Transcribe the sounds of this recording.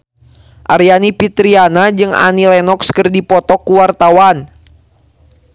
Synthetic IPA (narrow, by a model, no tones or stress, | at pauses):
ʔaɾjanipit̪ɾianad͡ʒɨŋa̰nilɛnɔkskərdipɔt̪ɔkːuwart̪awan